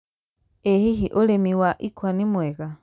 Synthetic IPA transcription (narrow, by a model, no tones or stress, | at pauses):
ehiɦiʔolemiwaʔikwanimweɣa